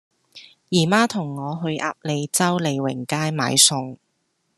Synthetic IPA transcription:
jiː˨˩maː˥t̪ʰʊ˨˩ŋːɔː˨˧ɦɵ˧ɥʔa̰ː˧˥p̚le˨˧jt͡sɐ˥wle˨˧jwɪ̰˨˩ŋkaː˥jma̰ː˨˧jsʊ˨˧ŋ

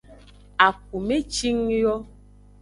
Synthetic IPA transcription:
a˨k̚u˨me˦t͡ʃi˦ŋjɔ˦

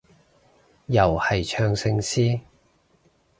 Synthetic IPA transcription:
jɐ˨˩whɐ˨jt͡ʃʰœː˧ŋsɪ˧ŋsiː˥

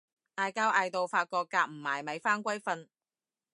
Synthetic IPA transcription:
t̪aː˨˧jkaː˥wʔaː˧jt̪o˨wfaː˧t̚kɔː˧k̚kːaː˧k̚m̩˨˩maː˨˩jmɐ˨˧jfaː˥nkʷɐ˥jfɐ˧n

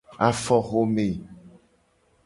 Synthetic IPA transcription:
a˨fɔ˦xo˦me˨

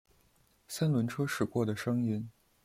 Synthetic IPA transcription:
sa˥nlwə˧˥nʈ͡ʂʰɤ˥ʂɻ̩˨˩kwɔ˥˩d̪ə˩ʂɤ˥ŋi˥n

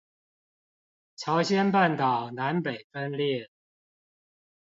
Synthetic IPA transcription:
t͡ɕʰɑ˨˦ʊɕjɛ˦npa˥˨nt̪ɑ˨˩ʊna˨˧˦npe˨˩ɪfə˦nljɛ˥˨

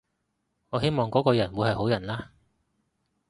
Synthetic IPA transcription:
ŋɔː˨˧ɦe˥jmɔː˨ŋkɔː˨˥kɔː˧jɐ˨˩nwu˨˧hɐ˨jho˨˥wjɐ˨˩nlaː˥

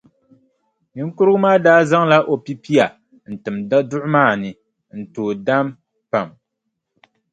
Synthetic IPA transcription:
ni˦kʊ˦ɾɨ˦ɡʊ˦maː˦daː˦za˦ŋla˦ʔo˨pi˦pi˦a˨ | n̩˨tɨ˨ma˦dʊ˦ʔʊ˦maː˦˨nɨ˨ | n̩˨toː˨da˦m | pa˨m

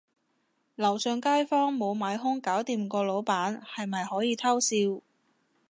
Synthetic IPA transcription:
lɐ˨˩wsœː˨˧ŋkaː˥jfɔː˥ŋmo˨˧wmaː˨˧jɦʊ˥ŋkaː˨˥wt̪iː˨mkɔː˧lo˨˧˥wpaː˨˥nhɐ˨jmɐ˨jhɔː˨˥jiː˨˧t̪ʰɐ˥wsiː˧w

